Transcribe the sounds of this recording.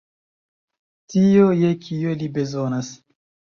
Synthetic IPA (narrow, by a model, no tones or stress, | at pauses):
tijojekʰielibe̞zonas